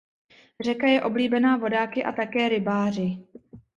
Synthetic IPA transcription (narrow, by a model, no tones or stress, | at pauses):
r̝ɛkajɛʔo̞bliːbɛnaːvo̞daːkɪʔa̰t̪akɛːɾɪbaːr̝ɪ